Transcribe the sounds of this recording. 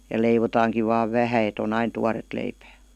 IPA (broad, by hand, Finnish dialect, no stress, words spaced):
jɑ leiʋotɑːŋkiʋ ʋɑːʋ ʋæhæ et on ɑin tuɑret leipæː